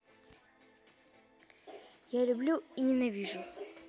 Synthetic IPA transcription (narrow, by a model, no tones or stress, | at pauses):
jalʲʊblʲuinʲɪnɐvʲiʐʊ